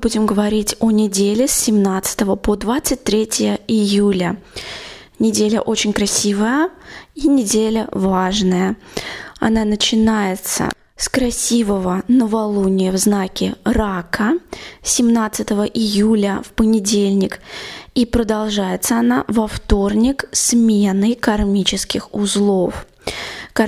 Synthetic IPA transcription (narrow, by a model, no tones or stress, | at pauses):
budʲɪmɡəvɐɾʲitʲonʲɪdʲelʲɪsʲːɪmnat̪sɨ̥t̪əvəpod̪vat̪sɨt̚ʲt̪ɾʲetʲɪjəɪjulʲə | nʲɪdʲelʲə̰ʔo̞t͡ɕɪnʲkɾɐsʲivəjəinʲɪdʲelʲəvaʐnəjə | ɐ̰nanət͡ɕɪnajɪt̪sə̰ | skɾɐsʲivəvənəvɐlˠunʲɪjəvznakʲɪɾakʰəsʲɪmnat̪sɨt̪əvəʔɪjulʲəfpənʲɪdʲelʲnʲɪkipɾəd̪ɐlˠʐajɪt̪səɐnavɐft̪o̞rnʲɪksmʲenɨkɐrmʲit͡ɕɪskʲɪxʊzlˠof | k